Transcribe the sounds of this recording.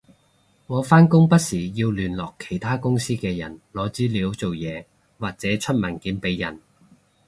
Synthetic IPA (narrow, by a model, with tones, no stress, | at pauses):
ŋɔː˨˧faː˥nkʊ˥ŋpɐ˥t̚siː˨˩jiː˧wlyː˨˩nlɔː˨kʰːe̥˨˩jt̪ʰaː˥kʊ˥ŋsiː˥kɛː˧jɐ̰˨˩nlɔː˨˧t͡siː˨˥liː˨˥wt͡so˨wjɛː˨˧ | waː˨k̚t͡sɛː˨˥t͡ʃʰɵ˥t̚mɐ˨˩nkiː˨˥npe˨˧jjɐ̰˨˩n